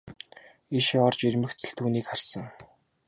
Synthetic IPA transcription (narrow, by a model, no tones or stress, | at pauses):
iʃɔrt͡ɕirʲmɘ̆xt͡sɘ̆ɬt̪ʰuːniːkχarsə̆ŋ